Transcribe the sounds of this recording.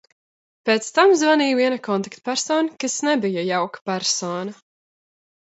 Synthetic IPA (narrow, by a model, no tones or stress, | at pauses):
peːt̪st̪amzvaniːviɛnakɔnt̪akt̪pʲæɾsɔːnkasnɛbijajawkḁpæɾsoɔːnɐ